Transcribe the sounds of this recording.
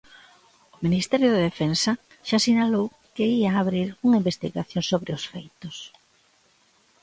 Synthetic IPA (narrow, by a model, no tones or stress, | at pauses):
ʊminist̪ɛɾjʊðeðefensɐ | ʃasiɲalow | kɪiaːβɾiɾuŋaimbest̪iɣaθjõŋsoβɾɪʊsfejt̪ʊs